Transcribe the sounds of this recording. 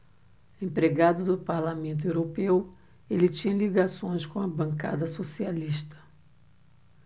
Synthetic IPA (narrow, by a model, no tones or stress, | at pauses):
ẽpɾeɡad̪ʊd̪ʊpaɾlamẽnt̪̬ʊewɾopew | elɪt͡ʃĩɲɐliɡasõj̃skõɐbɐ̃ŋka̰d̪ɐsosialiʃt̪ɐ̥